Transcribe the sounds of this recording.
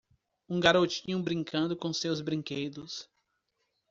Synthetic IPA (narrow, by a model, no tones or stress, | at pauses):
ũɡaɾot͡ʃĩɲʊ̃bɾĩŋkɐ̃nd̪ʊkõsewzbɾĩŋkejd̪ʊs